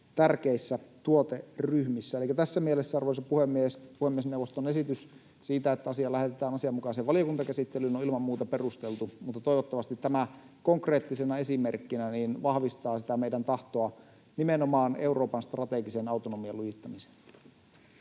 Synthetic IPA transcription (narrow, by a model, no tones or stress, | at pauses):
t̪ærkeisːæt̪uot̪eryhmisːæelikːæt̪æsːæmielesːæɑrʋoˑisɑpuhemːiespuhemːiesneuwʋːˑost̪onesit̪ys | siːt̪æet̪ːæɑsiɑlæhet̪et̪æːnɑsiɑmukɑˑiseʋʋɑlijokunt̪ɑkæsit̪ːelynoilmɑmmuːt̪ɑperust̪elt̪umut̪ːɑt̪oijʋot̪ːɑʋɑst̪it̪tæmæ | koŋkreːt̪ːisenɑesimerkːinæniːnʋɑhʋist̪ɑːsit̪æmeidænt̪ɑht̪oɑ | nimenomɑːneuro̞ːpɑnst̪rɑt̪eɡisenɑut̪onomiɑlujit̪ːɑmise̥n